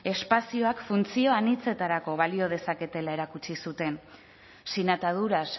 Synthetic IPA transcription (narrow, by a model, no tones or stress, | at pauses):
e̞spasio̞akfunt͡sio̞anit͡se̞t̪aɾako̞βalio̞ð̞e̞sake̞t̪e̞lae̞ɾakut͡ʃisut̪e̞n | sinat̪að̞uɾas